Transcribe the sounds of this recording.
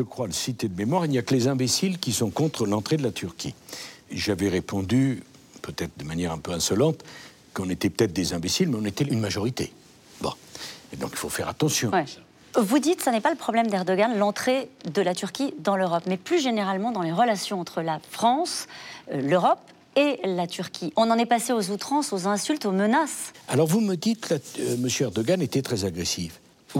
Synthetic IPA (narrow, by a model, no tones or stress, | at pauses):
ʒəkχwaləsit̪ed̪əmemwaʁilnijakəlezɛ̃besilkʲisɔ̃kɔ̃t̪χəlɑ̃t̪χed̪əlat̪ʰyʁkʲḭʒavɛʁepɔ̃d̪y | pøt̪ɛt̪χəd̪əmanjɛʁɛ̃pøɛ̃sɔlɑ̃t̪ | kɔ̃net̪ɛpø̥t̪ɛt̪χd̪ezɛ̃besilmɛɔ̃net̪ɛynmaʒɔʁit̪ḛ | bɔ̰̃d̪ɔ̰̃ki̥lfofɛʁat̪ɑ̃sjɔ̃w | vud̪it̪sanɛpaləpχɔblɛmd̪ɛʁd̪ɔɡanlɑ̃t̪χed̪əlat̪yʁkʲid̪ɑ̃løʁɔpmɛplyʒeneʁalmɑ̃d̪ɑ̃leʁəlasjɔ̃ɑ̃t̪χəlafχɑ̃sløʁɔp | elat̪yʁkʲʰiʔɔ̃nɑ̃nɛpaseozut̪χɑ̃sozɛ̃sylt̪omənasalɔʁvuməd̪it̪laməsjøɛʁd̪ɔɡanet̪ɛt̪χɛzaɡʁesif